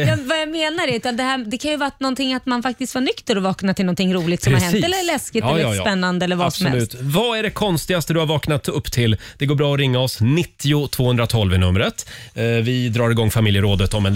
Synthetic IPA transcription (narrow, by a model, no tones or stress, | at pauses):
jɑvajameːnaɾɛt̪ad̪ɛhæːɾd̪ɛkʰanjɵvɑːɾat̪nɔnt̪ɪŋːat̪manfak̚t̪ɪst̪vaɳʏkt̪əɾɔvɑːknat̪ʰɪlnɔnt̪ʰɪŋːɾuːlɪɡt̪sɔmɾhaɾɛniːɛlːlɛskɪt̪ɛːspɛnːand̪əɛlːəɾvasɔsmɛ̰ʉst̪vaæɖɛkʰɔnst̪ɪɡast̪əd̪ɵhaɾvɑːknat̪ɵpːt̪ʰɪld̪̥ɛɡoːbɾɑːɔɾɪŋːaɔsnɪt̪ːɪʊt̪ʰv̥oːhɵnd̪ɾat̪ʰɔlvɪnɵmɾət̪vɪd̪ɾɑːɾɪɡɔŋːfamɪljəɾoːd̪ət̪ɔmɛn